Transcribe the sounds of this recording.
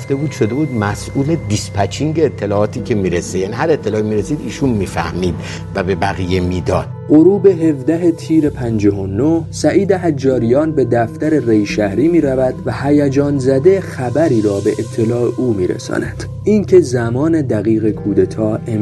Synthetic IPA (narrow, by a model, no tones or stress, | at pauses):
fd̪ebuːd̪ʃo̞d̪e̞buːd̪mæsuːled̪ispʰæt͡ʃʰiŋɟeːt̪ʰːe̞lɒːɒːt̪ʰiːcʰemiːɾesejænihæɾet̪ʰːelɒːimiɾesiːd̪iːʃunmiːfæ̰hmiːd̪ | væbe̞bæɣijemiːd̪ɒ̰d̪̥ɢoɾuːbe̞ɦe̞vd̪æɦet̪ʰiːɾepʰænd͡ʒɒɦonohsæʔiːd̪eɦæd͡ʒːɒːɾijɒːnbe̞d̪æft̪æɾe̞rejʃæhɾiːmiːɾævæd̪̥væhæjæd͡ʒɒːnzæd̪exæbæɾiːɾɒːbe̞ʔet̪ʰːe̞lɒːeʔuːmiːɾḛsɒ̰ːnæd̪̥ | ʔincʰe̞zæmɒːne̞d̪æɣiːɣe̞kʰuːd̪et̪ʰɒːe